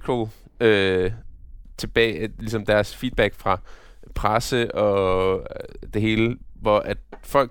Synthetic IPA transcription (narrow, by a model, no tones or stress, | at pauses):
kʰo | ø | t͡sʰe̝b̥ɛ̰ːlisɒ̽md̥æɐsfiːd̥̚b̥æɡ̥fʁɑ̈ | pʰʁasəʔɒ̽ | d̥e̝ɦe̝ːləʋɒʔæd̥fɒ̽l̰